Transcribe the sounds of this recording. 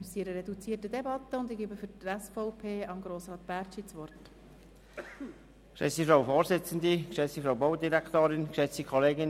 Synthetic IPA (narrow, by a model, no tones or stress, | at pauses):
siɾəɾɛdut͡siːətədɛbɑt̪əʊndɪɡibəfʏɾtɛsfɔʊpʰeːɑmɡɾoːsɾɑːt̪b̥æːɾt͡ʃit͡sʋɔrt | kʃɛ̰sifɾaʊfoːɾzɪt͡sənd̪ikʃɛt͡sifɾawboʊdiɾækt̪oːɾɪnkʃɛt͡sikʰɔleːɡɪn